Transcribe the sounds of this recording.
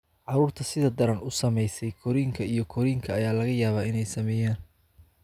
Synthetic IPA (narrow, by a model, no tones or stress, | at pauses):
ʕɑɾuːrt̪ʰɐsɪðɐd̪ɐɾɐnʊsɐmɛjsɛjkʰɔɾiːŋkʰɐijɞkʰɔɾiːŋkʰɐːjaːlɐɣɐjaːβaːɪnɛjsɐmɛːjaːn